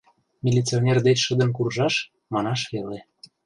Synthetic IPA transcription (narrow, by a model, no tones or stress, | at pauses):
mʲilʲit͡sionʲerd̪et͡ɕʃə̆d̪ə̆nkurʒɑʃ | mɑnɑʃβele